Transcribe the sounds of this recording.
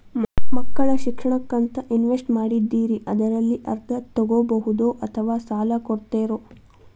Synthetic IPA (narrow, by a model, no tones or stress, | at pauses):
mɐkːɐɭɐʃikʂɐɳɐkːɐnt̪ɐʔinʋesʈmaːɽid̪ːiːɾiʔɐd̪ɐɾɐlːiʔɐ̰ɾt̪ʰːɐt̪ɔɡobɐɦud̪oːʔɐt̪ʰɐʋaːsaːlɐkoɽt̪eːɾo